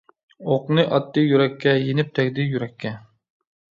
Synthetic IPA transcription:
oqnɨʔɑt̪ːɨjyɾɛkʲːɛjenɪp̚t̪ʰɛkʲd̪ɪjyɾɛkʲʰːɛ

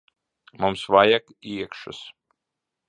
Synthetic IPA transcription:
mumsvajakiɛkʃɨ̰s

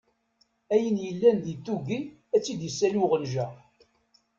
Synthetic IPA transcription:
æjənjəlːænd̪it̪ːuɡi | æt͡sːid̪jəsːæluʁənʒæ

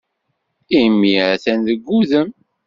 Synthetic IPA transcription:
imːiʕæθænðəɡːuðəm

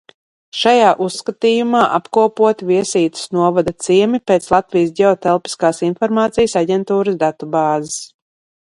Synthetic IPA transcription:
ʃajaːʔusːkat̪iːjumaːʔapkuɔpuɔt̪viɛsiːt̪ɪ̥snuɔvad̪at̪siɛmipeːt̪slˠat̪vijs̬ɟʲɛot̪ɛlˠpi̥skaːsinfɔɾmaːt̪sijəsaɟʲɛnt̪uːɾəsd̪at̪ubaːzɪs

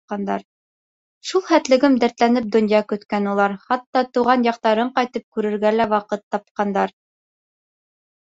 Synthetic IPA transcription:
qɑnd̪ɑ̰ɾ | ʃulˠχæt̪lɘ̆ɡɘmd̪æɾt̪lænɘp̚d̪ŏnjɑkɵ̆t̪kænulˠɑɾχɑt̪ːɑt̪uʁɑnjɑq̚t̪ɑɾɤɴqɑjt̪ɤp̚kʉɾɘ̆ɾɡælæwɑqɤt̪ːɑp̚qɑnd̪ɑɾ

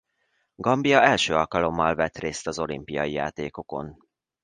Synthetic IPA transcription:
ɡɒmbijɒɛlʃøːɒlkɒlo̞mːɒlvɛt̪reːst̪ɒzo̞limpijɒjija̰ːt̪eːko̞ko̞n

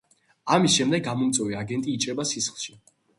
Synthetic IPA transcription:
amisʃɛmd̪ɛɡɡamɔmt̪sʼwɛviaɡɛnt̪ʼiːt͡ʃʼɾɛbasisχlˠʃi

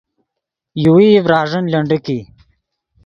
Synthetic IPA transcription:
juwiːvɾɑːʐənlɐɳɖiki

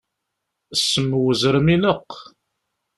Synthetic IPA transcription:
əsːəmːwəzɾəminəqː

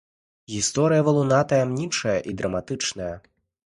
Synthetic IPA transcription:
ɣʲist̪ɔɾɨjɐvɐlˠunat̪ɐjamnʲit͡ʂɐjɐʔid̪ɾɐmat̪ɨt͡ʂnɐjɐ

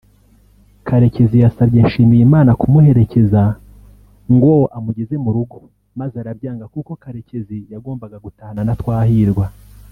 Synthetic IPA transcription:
kʰaɾe̞ce̞zijasabje̞nʃiːmijimaːnakumuhe̞ɾe̞ce̞za | ŋɡoʔamuɟeze̞muɾuɡo̞̥ | mazeaɾabɟaːŋɡakuko̞kaɾe̞ce̞zijaɡo̞ːmbaɡaɡutahananatwaːhiɾɡwa

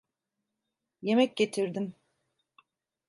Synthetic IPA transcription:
je̞mɛc̚ɟe̞t̪ʰiɾd̪im

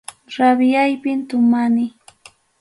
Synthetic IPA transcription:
ɾabɪjajpɪnt̪ʊmanɪ

